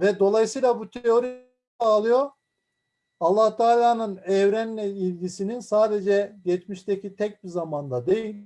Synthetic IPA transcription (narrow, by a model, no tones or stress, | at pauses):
vɛd̪o̞lˠajɯsɯjlˠabut̪ʰeo̞ɾi | ɛalˠɯjo̞ | alˠːaht̪ʰaːlʲaːnɯnɛvɾænlʲɛilʲɟisininsaːd̪e̞d͡ʒɛɟɛt͡ʃmiʃt̪ʰecʰit̪ʰɛc̚bizamand̪ad̪e̞jilʲ